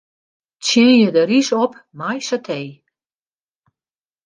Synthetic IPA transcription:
t͡sjɪnjədəɾisɔpmajsatʰej

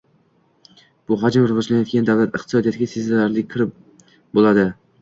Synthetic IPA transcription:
b̥ʊɦad͡ʒmɾʊʁɨd͡ʒlanjɒt̪̚kʰʲand̪avlat̪ɨqt̪ʰɪ̥sɒd̪ijat̪ʰɪɡʲasezalaɾlɪk̚ʲkʰːɪɾɪp̚ | bolˠad̪ɪ

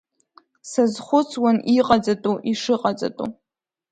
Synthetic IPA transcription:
sazχʷʊt͡sʰwanʔiqʼad͡zʼatʼuʔiʂɨqʼat͡sʼa̰tʼṵ

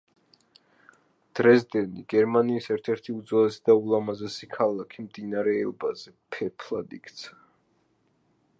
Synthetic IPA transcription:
d̪̥ɾɛsd̪ɛniɡɛɾmaniːsɛɾt̪ʰɛɾt̪ʰiud̪zɔlɛsid̪aulˠamazɛsikʰalˠakʰimd̪inaɾɛːlbazɛpʰɛpʰlad̪ḭkʰt̪sʰa

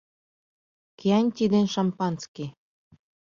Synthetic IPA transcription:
keænʲt̪ʲid̪enʃɑmpɑnske

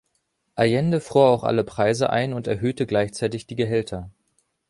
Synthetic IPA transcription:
ʔajɛndəfʁ̥uːɐaʊxʔa̰ləpʁ̥aɪzəʔa̰ɪnʊntɛɐɦøːtəɡlaɪçt͡saɪtɪçd̥iːɡəɦɛltʰɐ

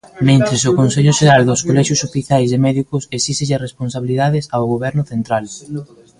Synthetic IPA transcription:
mẽnt̪ɾɪsʊkonseʎʊʃeɾald̪ʊskolɛʃjʊsofiθjajzðemɛðikʊsesiseʎaresponsaβiliðaðɪsawɣoβɛɾnʊθent̪ɾal

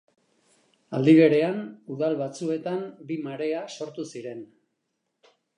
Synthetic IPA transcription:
a̰ld̪iβ̞e̞ɾe̞anuðalβat͡sue̞t̪ambimaɾe̞aso̞ɾt̪usiɾe̞n

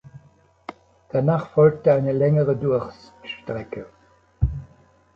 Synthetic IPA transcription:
d̥anaːχfɔlk̚təaɪnəlɛŋəʁədʊɐçs | ʃtʁ̥ɛkʰə

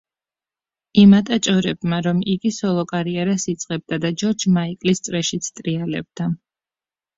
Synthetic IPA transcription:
imat̪ʼat͡ʃʼɔɾɛbmaɾɔmiɡisɔlˠɔkʼaɾiɛɾasit̪sʼqʼɛb̚d̪ad̪ad͡ʒɔɾd͡ʒmaikʼlist̪sʼɾɛʃit̪sʰt̪ʼɾialɛ̰b̚d̪̥a

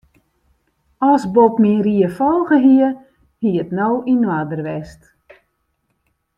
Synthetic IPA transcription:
ɔsbopmiriəfolˠɣəɦiə | hiətnowinwadərʋɛst

